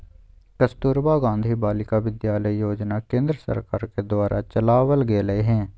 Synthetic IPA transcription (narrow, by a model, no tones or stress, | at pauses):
kəst̪uːɾbaɡãːnd̪ʱibaːlɪkaʋɪd̪jaːləijoːd͡ʒnakẽːnd̪ɾəsə̰ɾkaːɾked̪waːɾʔat͡ʃəlaːʋəlɡeːləeɦɛ̃ː